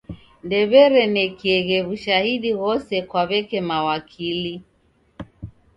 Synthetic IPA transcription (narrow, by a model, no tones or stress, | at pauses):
ndɛβɛɾɛnɛkiɛɣɛβuʃahiɗiɣɔsɛkwaβɛkɛmawakʰili